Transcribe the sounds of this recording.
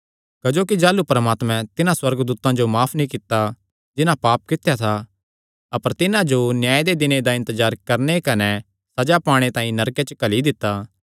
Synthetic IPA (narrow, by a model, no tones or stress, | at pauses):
kɐd͡ʒoːkid͡ʒaːlupɾɐmaːt̪mɛ̃t̪ɪnãswɐɾɡd̪uːt̪ãd͡ʒomaːpʰnĩkɪt̪ːa | d͡ʒɪnãpaːp̚kɪt̪jat̪ʰa | ɐpəɾt̪ɪnãd͡ʒonjaːed̪ed̪ɪned̪aɪ̃nt̪əzaːɾkɐɾnekɐnɛ | sɐd͡ʒapaːɽ̃et̪ãːĩnɐɾket͡ʃəkɐlid̪ɪt̪ːaː